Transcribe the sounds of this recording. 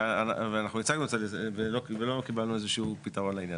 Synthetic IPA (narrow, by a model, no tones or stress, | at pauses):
anaveanaχnuit͡saɡnuet͡sadevelokvelo̞kibalnuezeʃupitaʁo̞nlainja